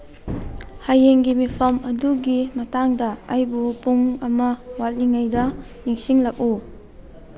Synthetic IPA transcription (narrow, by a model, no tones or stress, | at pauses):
hajeŋɡimipʰɐmɐduɡimɐtaŋdɐːjbupuŋɐmɐwal̚niŋajdɐ | niŋsiŋlɐk̚u